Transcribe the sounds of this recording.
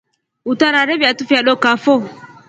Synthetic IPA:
ut̪aɾaɾɛbiat̪ufiaɗɔkafɔ

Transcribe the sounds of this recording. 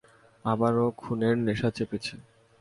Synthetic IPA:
abaɾokʰuneɾneʃat͡ɕepet͡ɕʰe

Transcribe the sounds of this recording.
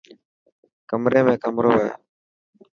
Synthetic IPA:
kəmɾeːmẽːkəmɾoːɦḛː

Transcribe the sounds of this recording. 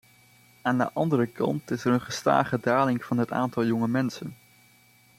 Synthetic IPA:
aːndə̰ʔɑndərəkɑ̰ntɪsərənχəsta̰ːχədaːlɪŋv̥ɑnɦəta̰ːntɑlˠjʊŋəmɛnsən

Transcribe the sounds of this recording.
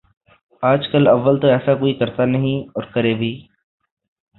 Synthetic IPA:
aːd͡ʒkəlɐʋːəlt̪oɛːsakoːikɐɾt̪anɐɦĩɔːɾkɐɾebʱiː

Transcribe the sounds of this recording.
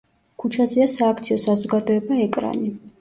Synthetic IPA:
kʰut͡ʃʰaziasaːk̚ʰt̪sʰiɔsazɔɡad̪ɔɛbaɛkʼɾa̰ni

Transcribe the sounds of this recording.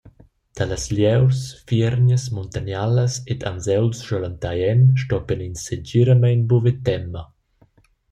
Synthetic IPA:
d̪̥aləsljɛwsfɛɾɲəsmunt̪anjaləsed̪a̰nzɛwlsʒɔlant̪ajɛnʃtɔpəninsed͡ʒiɾəmɛjnbuvet̪ɛmːə

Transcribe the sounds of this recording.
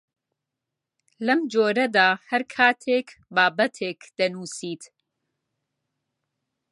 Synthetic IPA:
lɐmd͡ʒoːɾɐd̪aːhɐɾkʰaːt̪ʰeːkbaːbɐt̪ʰeːkd̪̥ɐnuːsiːt̪

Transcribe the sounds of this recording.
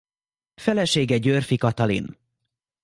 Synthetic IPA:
fɛlɛʃeːɡɛɟørfikɒt̪ɒlḭn

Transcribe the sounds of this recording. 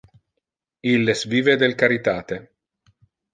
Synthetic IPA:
ilːesviːved̪elkaɾit̪aːt̪e

